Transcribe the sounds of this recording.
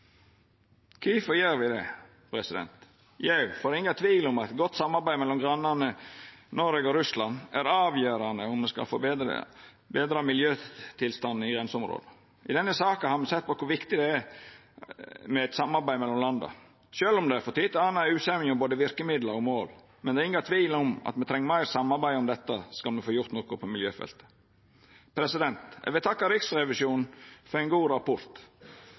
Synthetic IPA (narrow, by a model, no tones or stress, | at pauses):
kʰiːfɔjeːɾʋɪd̪ɛ̰ | pʰɾɛsɪd̪ɛ̰nt̪ | jɑfoːɾɪŋːɑt̪ʰʋiːlɔmɑt̪ɡɔt̪ːsɑmːɑɾbæɪmɛlːɔmɡɾɑnːɑnənɔɾʋeɡɔɾʉslɑnæɾɑːʋjøːɾɑnd̪əʊmmɛskɑ̰fo̰ | beːd̪ɾɑmɪljøːt̪ʰɪlst̪ɑn̩ːɪɡɾɛnsəʊmɾo̰ːd̪ə | ɪd̪ɛnːəsɑːkənhɑːɾmɛsɛt̪̚ːpɔkʰʊɾʋɪkt̪ɪd̪ɛæɾ | mɛɛt̪sɑmːɑɾbæɪmɛlːɔmlɑnd̪ɑ̰ | ʃøːlɔmd̪ɛæfɔt̪ʰiːt̪ɑːnæʉːsɛmɪɔboːd̪əʋɪɾkəmɪd̪ləɾɔmoːl | mɛnd̪ɛɪŋːɡɑt̪ʰʋiːlɔmɑ̰t̪mɛt̪ʰɾɛŋːəmɑɪɾsɑmːɑɾbæɪɔmd̪ɛt̪ːəskɑlmɛfoːjʊɾt̪nɔkʊpʰɔmɪljøːfɛ̰lt̪ə̥ | pʰɾɛsɪd̪ɛnt̪æ̰ʋɛt̪ʰɑkːɑɾɪksɾɛʋɪsjuːnnfɔɾæɪnɡuːɾɑpʊɾt̪